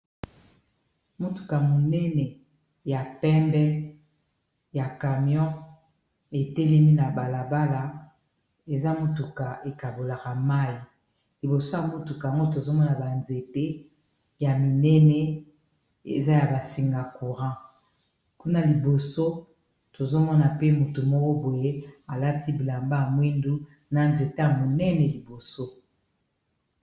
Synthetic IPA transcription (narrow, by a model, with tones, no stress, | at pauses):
mo˦tu̥˨ka˨a˨mo˨nɛ˦nɛ˨ | ja˨pɛ˦mbɛ˦ | ja˨ka˨mjɔ̃˦ | e˨tɛ˦lɛ˦mi˦na˨ba˨la˨ba˦la˨ | e˨za˦mo˦tu˨ka˨e˨ka˨bo˨la˨ka˨ma˦i˨ | li˨bo˨so˦ja˨mo˦tu˨ka˨a˨ŋɡo˦t̬o˨zo˦mɔ˦na˨ba˨nze˨te˦ | ja˨mi˨nɛ˦nɛ˦ | e˨za˦ja˨ba˨si˨ŋɡa˨ku˨ʁã˦ | ku˦na˦li˨bo˨so˦ | to˨zo˦mɔ˦na˨pe˦mu˨tu˨mo˦ko˦bo˨je˦a˨la˦ti˦bi˨la˨mba˦˨mwi˦ndu˦ | na˨nze˨te˦ja˨mo˨nɛ˦nɛ˨li˨bo˨so˦